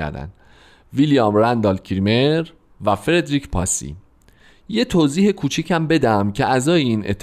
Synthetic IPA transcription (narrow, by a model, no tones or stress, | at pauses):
æ̰ɾd̪æ̰nd̪̥ | vilijɒːmɾænd̪ɒlcʰiɾimeɾ | væfeɾe̞d̪ɾicʰpʰɒ̰sḭ | je̞t̪ʰoːziːhe̞kʰuːt͡ʃʰicʰæmbe̞d̪æmcʰeʔæzɒːjeinʔe̞̰t̪ʰː